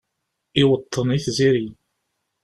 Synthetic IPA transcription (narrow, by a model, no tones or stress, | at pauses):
ɪwət̪ʰˤːəniθziɾi